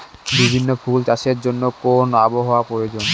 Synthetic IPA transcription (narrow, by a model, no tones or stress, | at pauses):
bibʱinːofʰult͡ɕaʃeɾd͡ʑonːokonaboɦowapɾojod͡ʑon